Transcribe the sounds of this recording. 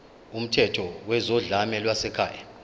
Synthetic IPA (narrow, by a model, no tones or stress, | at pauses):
um̩tʰɛtʰɔwɛzɔɮamɛlwasɛkʰa̰ːja